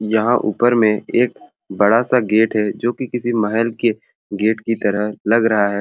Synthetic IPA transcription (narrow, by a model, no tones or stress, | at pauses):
jɐɦãʔṵːpəɾmẽeːk̚ | bɐɽasaɡeːʈɦɛd͡ʒoːkikɪsimɐɦɛlke | ɡeːʈkit̪ɐɾəɦlɐɡɾɐɦaɦɛː